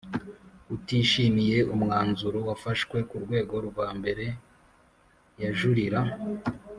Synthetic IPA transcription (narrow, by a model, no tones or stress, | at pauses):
utiːʃimije̞ʔumŋaːnzuɾowafaʃkwe̞kuɾɡwe̞ːɡo̞ɾuɡwaːmbe̞ɾe̞ | jaʒuɾiɾa